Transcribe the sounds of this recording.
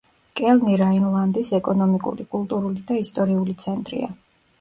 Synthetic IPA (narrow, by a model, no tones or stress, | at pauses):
kʼɛlniɾainlˠand̪isɛkʼɔnɔmikʼṵɾikʼulˠt̪ʼuɾulid̪aist̪ʼɔɾiulit̪sʰɛnt̪ʼɾḭa̰